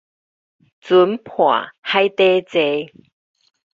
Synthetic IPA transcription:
t͡su˨˦mpʰwa̰˨˩ha˦jt̪e˦t͡se˧

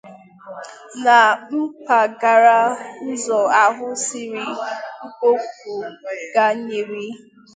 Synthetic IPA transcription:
na˨k͡p̩˦ka˨ɡa˨ɾa˦n̩˦zɔ˨a˨ɦʊ˦sɪ˦ɾi˦ŋ͡m̩˦ko˦ku˨ɡa˦ɲe˨ɾi˦

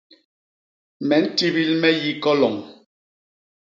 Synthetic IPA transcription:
mɛ˨˦n̩˦ti˦bi˦lmɛ˦ji˦kɔ˦lɔ˨ŋ

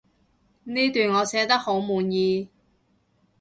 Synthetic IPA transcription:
niː˥t̪yː˨nŋɔː˨˧sɛː˨˥t̪ɐ˥k̚ho˨˥wmuː˨˧njiː˧

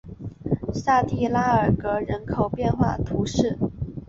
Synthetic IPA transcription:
sa˥˧t̪i˥˩la˥ə˞˨˩kɤ˧˥ɻə˧˥nkʰo˨˩ʊpjɛ˥˧nxwa̰˥˩t̪ʰu˧˥ʂɻ̩˥˩

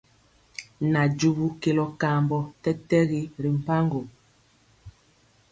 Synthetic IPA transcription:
na˨d͡ʒu˦bu˦ke˨lɔ˦ka˨mbɔ˨tɛ˦tɛ˦ɣi˦ɾi˨m̩˨pa˦ŋɡo˨

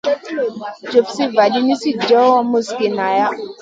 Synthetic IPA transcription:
d͡ʒo˨fsi˦va˨di˦ni˦si˦d͡ʒɔ˦wa˦mu˦ski˨na˨ja˦

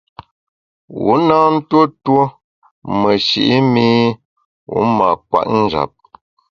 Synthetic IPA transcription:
wu˨˦naː˦n̩˦two˦two˦ | mə˨ʃḭ˨ʔi˦mi˦ | wu˨˦ma˨kwa̰˨ʔn̩˦d͡ʒa̰˨p̚

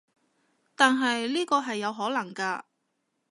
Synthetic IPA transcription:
t̪aː˨nɦɐ˨jliː˥kɔː˧ɦɐ˨jːɐ˨˧wɦɔː˨˥lɐ˨˩ŋkaː˧

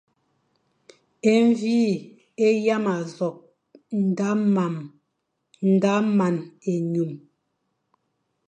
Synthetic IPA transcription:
e˦ɱ˦vi˦ | e˦ja˦ma˨zɔ˨k̚ | n˨da˦ma˨m | n̩˨da˦ma˨ne˨ɲu˨m

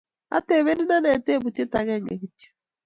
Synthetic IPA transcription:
a̰˦te˨βe˦ni˦na˦nɛ˨te˦˨βu˨te˦ta˨ɣɛ˦˨ŋɡɛ̰˨ɣi˨te̥˦

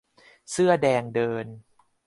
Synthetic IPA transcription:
sɯ˥˩ɐdɛː˧ŋdɤː˧n

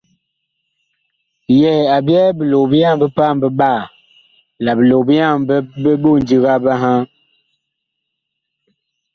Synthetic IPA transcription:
jɛ˨a˨bjɛ˦bə˨lo˨bi˦ja˦˨m˨bə˦pa˦˨m˦bə˦ɓa˦˨ | la˨bə˨lo˨bi˦ja˦˨mbə˦bə˦bo˦˨n˨di˦ɣa˦ba˦ɦã˦

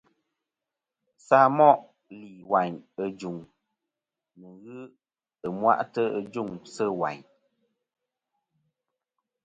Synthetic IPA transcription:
saː˦mɔ˦ʔ | liː˨wa˨ɲə˨d͡ʒu˨ŋ | nu˨ɣɨ˦ | ɨ˨mwa̰˦ʔtə˦ə˦d͡ʒu˦˨ŋsə˦˨wa̰˨ɲ

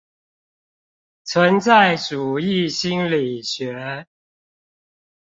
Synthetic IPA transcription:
t͡sʰwə˨˦nt͡sa˥˨ɪʈ͡ʂu˨˩i˥˨ɕi˦˥nli˨˩ɕɥɛ˨˧˥

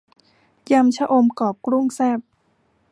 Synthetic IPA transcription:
ja˧mt͡ɕʰa˦˥ʔo˧mkɔː˨˩p̚kɾu˥˩˨ŋsɛː˥˩p̚

